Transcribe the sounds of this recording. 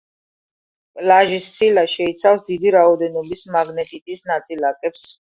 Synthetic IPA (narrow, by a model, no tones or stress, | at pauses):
pʼlaʒissʰilaʃɛit̪sʰafsd̪id̪iɾaɔd̪ɛnɔbismaɡnɛt̪ʼit̪ʼisnat̪sʼilak̪ʼɛps